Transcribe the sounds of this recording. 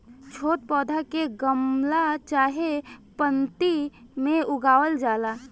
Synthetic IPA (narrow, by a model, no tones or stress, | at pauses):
t͡ʃʰoːt̪̚pɔːd̪ʱakeɡəmlat͡ʃaːɦepənt̪imẽʊɡaːwəld͡ʒaːlaː